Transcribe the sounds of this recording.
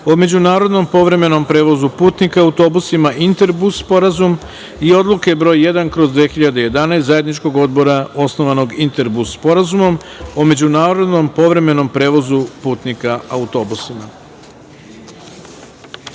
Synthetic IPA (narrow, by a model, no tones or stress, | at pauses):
ome̞d͡ʑunaːɾo̞d̪no̞mpo̞ʋɾe̞me̞no̞mpɾe̞ːʋo̞zupuːt̪nikaaut̪o̞busimaʔint̪eɾbuspo̞ɾazum | io̞d̪lˠuke̞bɾo̞ːjːe̞d̪ankɾo̞zd̪ʋexiʎad̪eje̞d̪anajst̪zaje̞d̪nit͡ʃko̞ɡod̪bo̞ɾao̞sno̞ʋano̞ɡint̪e̞ɾbuspo̞ɾazumo̞mome̞d͡ʑunaːɾo̞d̪no̞mpo̞ʋɾe̞me̞no̞mpɾe̞ːʋo̞zupuːt̪nikaaut̪o̞ːbusima